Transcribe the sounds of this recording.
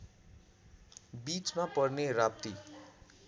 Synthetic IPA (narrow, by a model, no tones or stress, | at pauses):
bit͡smapʌrnerap̚t̪i